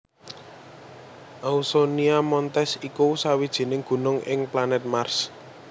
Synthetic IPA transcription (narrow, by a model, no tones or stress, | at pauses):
ʔausoniamɔnt̪ɛsikusawid̥ʒ̥i̤nɪŋɡ̥ṳnʊŋʔɪŋplanɛt̪̚mars